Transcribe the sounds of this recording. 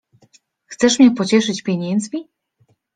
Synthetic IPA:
xt̪sɛʂmɲɛpɔt͡ɕɛʂɘt͡ɕpʲjeɲɛnd̪zmʲi

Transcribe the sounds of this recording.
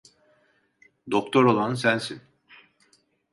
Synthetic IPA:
d̪okt̪ʰo̞ɾolˠansænsin

